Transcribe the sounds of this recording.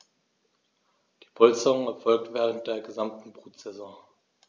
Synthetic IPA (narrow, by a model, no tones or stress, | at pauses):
d̥iːpʰɔlt͡səʁʊŋɛɐfɔlk̚tv̥eːʁənt̚d̥eːɐɡəzamtn̩pʁ̥ot͡sɛzoːɐ